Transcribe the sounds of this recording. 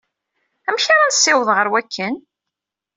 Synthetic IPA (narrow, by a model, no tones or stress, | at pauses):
æmçaɾˤɑnsːɪwðˤʁəɾwækʰːən